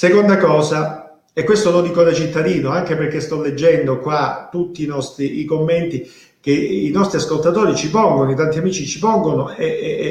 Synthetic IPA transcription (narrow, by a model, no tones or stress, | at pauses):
sekond̪akɔːsa | ekːwest̪olod̪iːkod̪et͡ʃit̪ːad̪iːnoaŋk̟eperkest̪ɔlːed͡ʒːɛnd̪okwat̪ːut̪ːiːnɔst̪ɾiikomːent̪i | k̟einɔst̪ɾiaskolt̪at̪oːɾit͡ʃipɔŋɡonoit̪ant̪iamiːt͡ʃit͡ʃipɔŋɡonoe